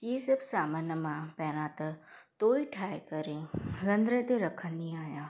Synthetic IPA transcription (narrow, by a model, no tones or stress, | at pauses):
jiːsɪbsaːmənəmãpɛːñãːt̪ɐt̪oːiʈʰaːjkəɾẽɾə̃nd̪ɾẽt̪eɾɐkʰənːĩaːjãː